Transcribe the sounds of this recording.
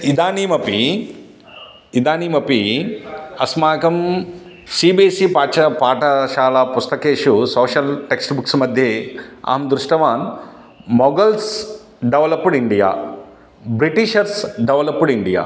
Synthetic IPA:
id̪aːniːmɐpi | id̪aːniːmɐpi | ɐsmaːkɐm | siːbiːsipaːt͡ʃɐpaːʈɐʃaːlapust̪ɐkeːʃusoːʃɐlʈeksʈbuksmɐd̪ʱjeːa̰ːɐmd̪ɾuʂʈɐʋaːn | mɔɡɐls | ɖeʋɐlɐpːuɽiɳɖija̰ː | bɾiʈiʃɐɾsɖeʋɐlɐpːuɽiɳɖija̰ː

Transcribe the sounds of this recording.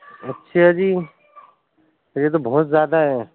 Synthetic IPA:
ətːʃʰead͡ʒiː | t̪ɔɾjet̪̬obɔɦːt̪zjaːd̪aɦɛ

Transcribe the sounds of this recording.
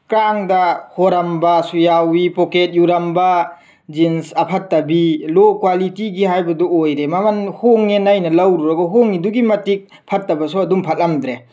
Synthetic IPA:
kɾaŋdahoɾambasujawipɔket̚juɾɐmba | d͡ʒinsɐpʰatːɐbilɔkwalitiɡiɦajbɐdɔojɾemamanhoŋenajnɐlɐwɾuɾaɡɔɦoŋːiduɡimɐtik̚ | pʰatːɐbɐsɔɐdumpʰat̚lamdɾe

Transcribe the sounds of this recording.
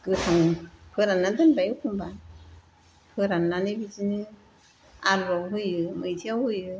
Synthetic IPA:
ɡ̥ɯtʰaŋpʰɯɾanːandɯnbajɯkʰumba | pʰɯɾanːanɯbizinɯ | aɾbaɦɯjɯmɯjtʰiawhɯjɯ

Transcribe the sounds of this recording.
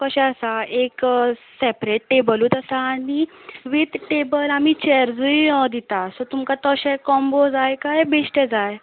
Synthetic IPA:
kəɕɛ̃əsaeksɛpɾeʈʈebəluːt̪əsaːni | ʋit̪ʈebəlamit͡ɕɛɾd͡zujɔd̪it̪asɔt̪umkat̪ɔɕɛkɔmbod͡zajkajbeɕʈed͡zaj

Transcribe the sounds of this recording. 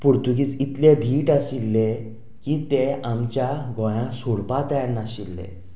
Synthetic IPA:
puɾt̪ukiːt͡sit̪led̪ʱiːʈaɕilːe | kit̪eamt͡ɕjaɡɔ̃j̃ãsoɽpat̪ajanaɕilːḛ

